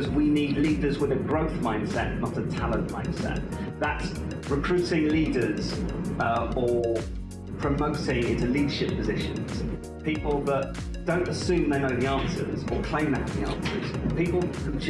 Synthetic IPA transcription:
zwiniːdˡliːdəzwɪðəɡɹəʊθmãɪ̃nd̥sɛ̰ʔnətətʰalə̃nmãɪ̃nd̥sɛ̰ʔ̚ | ðəts | ɹɪkʰɹ̥ʉˑtɪ̃ŋliːdəz | ə | pʰɹ̥əməʊtɪ̃ŋɪ̃ntəliːdəʃɪpʰəzɪʃə̰̃nz̥ | piˑplˠðəʔ | d̥ə̃ʊ̃ntəsʉ̃ːmðeɪnəʊðiɑ̃ˑnsə̰z̥əkʰl̥ẽɪ̃mðəɪnəʊðiɑ̰̃ˑnsəz̥piˑpl̩ˠkʰə̃nt͡ʃʰ

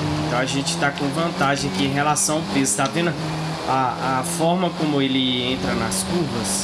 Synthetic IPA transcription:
eẽt̪ɐ̃w̃ɐʒẽt͡ʃɪ̥t̪akõvɐ̃nt̪aʒẽj̃ɐkiẽj̃ɦelasɐ̃w̃aʊpezʊt̪avẽnɐ | aafɔɾmɐkõmʊelɪẽnt̪ɾɐnɐskuɾvɐs

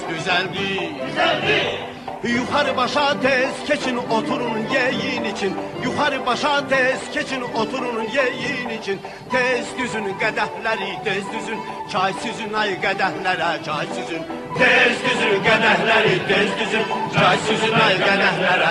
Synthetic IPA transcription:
dyzæld̪il | juχɑɾɯbɑʃɑt̪ʰez̥cʰet͡ʃʰinot̪ʰuɾununjejinit͡ʃʰinjuχɑɾɯbɑʃɑt̪ʰez̥cʰet͡ʃʰinot̪ʰuɾununjejinit͡ʃʰin | t̪ʰezɟyzynyɡæd̪æhlæɾit̪ʰezɡyzyn | t͡ʃʰɑjsyzynɑjɯɡæd̪æhlæɾæt͡ʃʰɑjsyzyn | t̪ʰezɡyzynɡæd̪æhlæɾit̪ʰezɡyzynt͡ʃʰɑjsyzynɑjɯɡɛd̪æhlæɾ

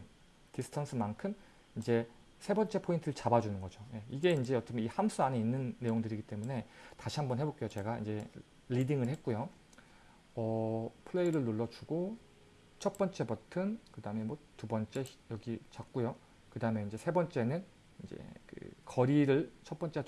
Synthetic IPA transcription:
tisʰɯ̥tʰansʰɯmankʰɯm | id͡ʑe̞ | sʰe̞bʌnt͡ɕ͈e̞pʰointʰɯɾɯɭt͡ɕabad͡ʑunɯnɡʌd͡ʑoje̞iɡe̞ind͡ʑe̞ʌt͈ʌkmihamsʰuaɲeinːɯnːe̞joŋdɯɾiɡit͈e̞mune̞taɕʰiɦambʌnɦe̞bok͈e̞jot͡ɕe̞ɡaḭnd͡ʑe̞ | lidiŋɯɭhe̞t̚k͈ujo | ʌpʰɯɭe̞iɾɯɭnoɭːʌd͡ʑuɡo | t͡ɕʰʌt̚p͈ʌnt͡ɕ͈e̞bʌtʰɯnkɯdaɦɯmemwʌtubʌnt͡ɕ͈e̞jʌɡit͡ɕak̚k͈ujo | kɯdaɯme̞ind͡ʑe̞sʰe̞bʌnt͡ɕ͈e̞nɯn | ind͡ʑe̞̰kɯ̰kʌɾiɾɯɭt͡ɕʰʌt̚p͈ʌnt͡ɕ͈e

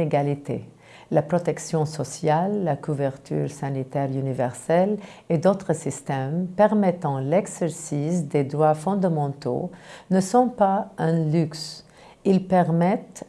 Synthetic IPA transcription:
eɡalit̪ḛ | lapʁɔt̪ɛksjɔ̃sɔsjalːakuvɛʁt̪ʰy̰ʁsanit̪ɛʁynivɛʁsɛl | ed̪ot̪χəsist̪ɛmpɛʁmɛt̪ɑ̃lɛɡsɛʁsisd̪ed̪ʁwafɔ̃d̪amɑ̃t̪o̰nəsɔ̃paɛ̃lyks | ilpɛʁmɛt̪

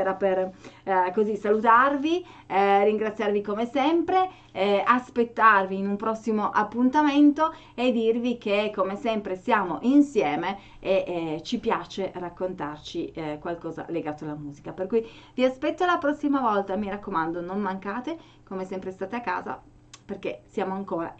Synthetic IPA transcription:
ɛɾaperkozisalut̪arvi | riŋɡɾat̪sːjarvikomesɛmpɾe | aspet̪ːarviːnumpɾɔsːimoʔapːunt̪ament̪o | ed̪ːirvik̟ekːomesɛmpɾesjaːmoʔinsjɛːme | et͡ʃipjaːt͡ʃerakːont̪art͡ʃikwalkɔːza̰leɡaːt̪oalːamuːzikaperkujviaspɛt̪ːoalapɾɔsːimavɔlt̪amiɾakːomand̪onommaŋkaːt̪e | komesɛmpɾest̪aːt̪eakːa̰ːza̰ | perk̟esjaːmoaŋkoːɾa̰

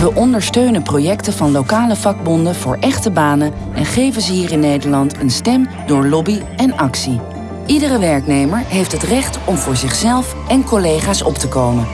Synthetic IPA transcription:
ʋəʔɔndəɹstøɥnəprojɛktəvɑnlowkaːləvɑɡ̚bɔndəvʊːɹʔɛχtəbaːnə | ʔɛnχejvənzəɦiːrɪnːejdəɹlɑntənstɛm | dʊːɹlɔbi | ɛnɑksi | ʔidərəʋɛɹknejməɹɦejftɦətrɛχtɔmvʊːɹzɪχsɛlˠf | ɛnkɔlejχaːsɔ̰ptəkowmən

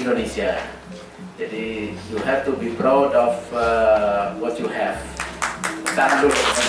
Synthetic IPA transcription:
ndonesia | d͡ʒadijuhɛftubipɾawdɔf | wɔtjuhɛv | tãnlu

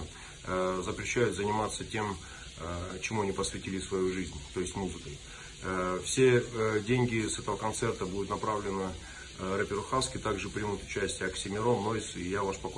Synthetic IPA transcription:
zəpɾʲɪɕːæjʊt̪zənʲɪmat̪sətʲe̞m | t͡ɕɪmuɐnʲipəsvʲɪtʲilʲɪsvɐjuʐɨzʲnʲt̪o̞jɪsʲtʲmuzɨkəj | fsʲe̞dʲenʲɡʲɪsɛt̪əvəkɐnt̪sɛrt̪əbud̪ʲʊt̪nɐpɾavlʲɪnə | rəpʲɪɾʊxaskʲɪt̪aɡʐɨpɾʲɪmut̪ʊ̥t͡ɕæsʲtʲɪjəɐksʲɪmʲɪɾonoɪsɪjavaʂpɐk

